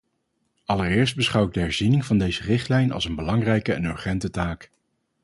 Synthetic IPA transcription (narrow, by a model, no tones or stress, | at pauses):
ɑlərɪːɹs̬d̚bəsχɑwɪɡ̚dəɦɛɹzinɪŋvɑndejzərɪχtlɛjnɑ̰lˠsənbəlɑŋrɛjkəɛ̰nɵɹχɛntətaːk